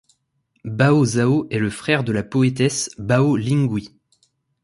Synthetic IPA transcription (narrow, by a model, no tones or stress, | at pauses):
baozaoɛləfχɛʁd̪əlapɔet̪ɛsbaolĩŋɡwi